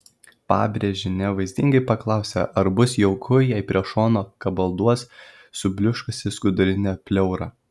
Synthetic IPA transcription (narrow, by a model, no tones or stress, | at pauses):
pɑ̰ːbʲɾʲɛʒʲɪnʲɛʋɐɪzʲd̪ʲɪŋɡɐɪpɐklˠɑˑʊsʲɛ̰ʔɐɾbʊsjɛʊkʰʊjɛɪpʲɾʲiɛʃoːnoːkɐbɐlˠd̪uɔs | sʊbʲlʲʊʃkɐsʲɪskʊd̪ʊɾʲɪnʲɛpʲlʲɛʊɾɐ̰